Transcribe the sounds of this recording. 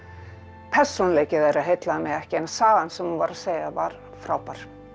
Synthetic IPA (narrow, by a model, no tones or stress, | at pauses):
pʰɛr̥sɔnleːjcɪðɛɾaðɦejt̪laðmɛɛhcɪɛnːasaːðansɛmhunvaɾaðseːjɣavaɾ̥ | fɾaːwpaɾ̥